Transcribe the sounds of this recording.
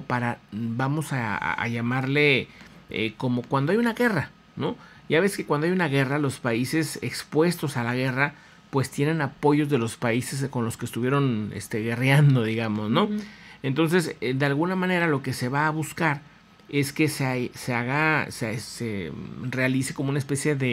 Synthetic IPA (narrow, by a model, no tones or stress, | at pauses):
paɾabamo̞sa̰a̰ʝamaɾle̞ḛko̞mo̞kwand̪oajunaɣe̞ra | no̞ | ʝaβe̞ske̞kwand̪oajunaɣe̞ralo̞spaise̞sekspwe̞st̪o̞salaɣe̞ra | pwe̞st̪je̞ne̞napo̞ʝo̞zðelo̞spaise̞s̬ko̞nlo̞skest̪uβje̞ɾo̞nḛst̪e̞ɣe̞rjand̪o̞ðiɣamo̞zno̞e̞nt̪o̞ns̬e̞sd̪ealɣunamãne̞ɾalo̞ke̞se̞βaːβuskaɾ | e̞ske̞seaseaɣasesḛrealise̞ko̞mounaespe̞sje̞ðe